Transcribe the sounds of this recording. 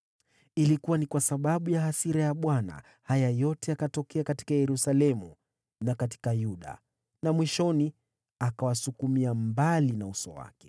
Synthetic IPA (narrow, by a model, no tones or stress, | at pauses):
ilikuwanikwasaɓaɓujahasiɾajaɓwana̰ | hajajɔtɛakatɔkɛakati̥kajɛɾusalɛmu | nakati̥kajuɗa̰ | namwiʃɔni | akawasukumiambalinausɔwa̰kɛ̥